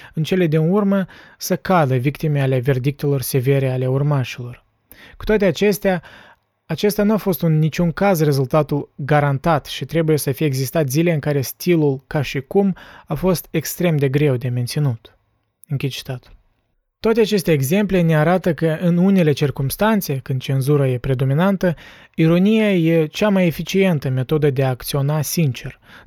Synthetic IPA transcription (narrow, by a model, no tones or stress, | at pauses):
ɨnt͡ʃe̞le̞d̪inurməsəkad̪əvikt̪ime̞ale̞ve̞rd̪ik̚t̪e̞lo̞rse̞ve̞ɾe̞ale̞urmaʃilo̞r | ku̥t̪oat̪e̞at͡ʃe̞st̪ea | at͡ʃe̞st̪eanuafo̞st̪unːit͡ʃʲuŋkazre̞zult̪at̪ulɡaɾant̪at̪ʃit̪ɾe̞buje̞səfijeːɡzist̪at̪zileɨŋkaɾe̞st̪ilulkaʃikumafo̞st̪e̞kst̪ɾe̞md̪e̞ɡɾe̞wd̪e̞ment̪sinut̪ | ɨŋkʲid̪̚t͡ʃi̥t̪at̪ul | t̪oat̪eat͡ʃe̞st̪e̞ːɡze̞mple̞ne̞aɾat̪əkəʔɨnune̞le̞t͡ʃirkumst̪ant̪se̞kɨnd̪̚t͡ʃe̞nzuɾaje̞pɾe̞d̪o̞minant̪ə | iɾo̞nijaje̞t͡ʃamaje̞fit͡ʃije̞nt̪əme̞t̪o̞d̪əd̪e̞aːkt̪sio̞nasint͡ʃe̞r